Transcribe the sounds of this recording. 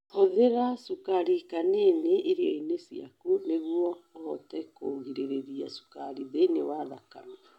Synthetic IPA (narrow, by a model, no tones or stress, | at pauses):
hoðeɾasukaɾikaneneʔːɾiɔinesia̰kuneɣwɔhɔtɛkoːŋɡiɾeɾeɾiasu̥kaɾiðenewaðaka̰ma